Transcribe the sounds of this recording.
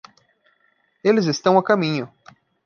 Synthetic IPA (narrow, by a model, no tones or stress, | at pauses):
elɪzɪst̪ɐ̃w̃akamĩɲʊ